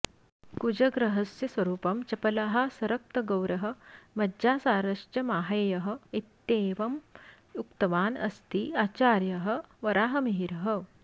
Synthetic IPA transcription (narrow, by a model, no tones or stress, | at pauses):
kud͡ʑɐɡɾɐɦɐsjɐsʋɐɾuːpɐmt͡ɕɐpɐlaɦasɐɾɐk̚t̪ɐɡɐwɾɐɦɐ̆mɐd͡ʑaːsaːɾɐʂt͡ɕɐmaːɦɐjɐɦə̆it̪ːeːʋɐm | jukt̪ɐʋaːnɐ̰st̪iːaːt͡ɕaːɾjɐɦəʋɐɾaːɦɐmiɦiɾɐɦə